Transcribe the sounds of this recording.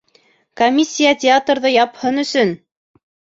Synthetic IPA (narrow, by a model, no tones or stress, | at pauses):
komʲːisʲːijatʲɪat̪rðɤjɑphɤnɵ̆sɵn